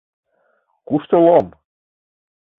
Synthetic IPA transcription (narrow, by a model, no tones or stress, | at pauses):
kuʃt̪ɤ̆lˠom